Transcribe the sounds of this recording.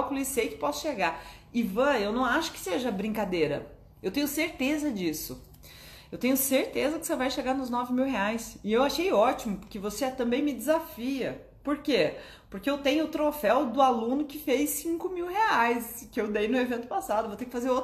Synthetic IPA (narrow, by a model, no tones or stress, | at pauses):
kulisejkɪ̥pɔsʊ̥ʃeɡaɪvɐ̃ewnɐ̃w̃aʃʊ̥kɪ̥seʒɐbɾĩkad̪ejɾɐ̰ | ewt̪ẽɲʊseɾt̪ezɐd͡ʒisʊ̰ | ewt̪ẽɲʊseɾt̪ezɐkɪ̥sevajʃeɡaɾnʊznɔvɪmiwheajsɪewaʃejɔt͡ʃimʊpʊɾkɪvoseɛt̪ɐ̃mbẽj̃mɪd͡ʒɪzafiɐ | poɾke | poɾkeewt̪ẽj̃ʊːt̪ɾofɛwd̪ʊalũnʊkɪfejsĩŋkʊmiwheajskɪewd̪ejnʊevẽnt̪ʊpasad̪ʊvot̪ekɪfazeɾo